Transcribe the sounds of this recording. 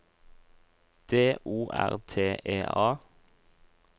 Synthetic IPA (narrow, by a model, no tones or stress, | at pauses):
d̪̥eːʔuːʔæ̰ʁt̪ʰeːʔeːʔɑː